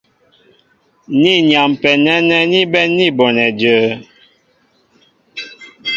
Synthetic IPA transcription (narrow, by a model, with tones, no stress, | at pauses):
ni˦˨nja˨mpɛ˨nɛ˦nɛ˦ni˦bɛ˦ni˦bɔ˨nɛ˨d͡ʒə˨˦